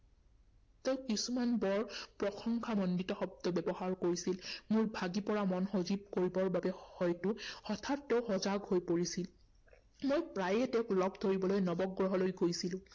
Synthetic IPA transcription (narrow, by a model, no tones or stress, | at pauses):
tɛʊkisumanbɔɹpɹɔxʰɔŋkʰamɔnditɔxɔb̚dɔbɛbɔɦaɹkoɹisilmuɹbʱaɡipɔɹamɔnxozib̚koɹibɔɹbabɛhɔjtʊhɔtʰat̚ːɛʊxɔzaɡhojpoɹisil | mojpɹajɛtɛklɔbtʰoɹibɔlojnɔbɔɡɹɔɦɔlojɡojsilʊ̃